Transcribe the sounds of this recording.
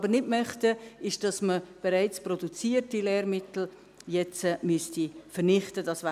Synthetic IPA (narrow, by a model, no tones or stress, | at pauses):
bənɪdmœχtəɪʃd̥ɑsməb̥eɾaɪt͡sprodut͡siːərtilɛːɾmɪtl̩ | jɛt͡smystifəɾnɪχtədɑsʋaː